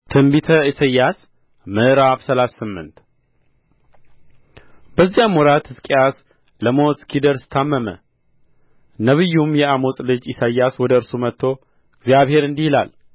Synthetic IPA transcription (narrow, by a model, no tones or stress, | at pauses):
t̪ʰɨmbit̪ʰəisəjːas | mɨɾafsəlasːɨmːɨ̰nt̪ | b̥əzːijamwɔɾat̪hɨskʼejas | ləmot̪skʰid̪əɾsɨ̥t̪ʰːamːəmə̰ | nəβɨjːumjɛamo̞sʼlɨd͡ʒisajːaswɔd̪əɨɾsumət̪ʰːo̞ | ɨɡzijaβhe̞ɾɨnd̪ihila̰l